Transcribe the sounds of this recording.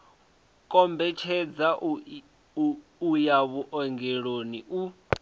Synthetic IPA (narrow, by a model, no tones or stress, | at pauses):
kʼɔmbɛt͡ʃʰɛd͡za | ujaβuʔɔŋɡɛɺoniu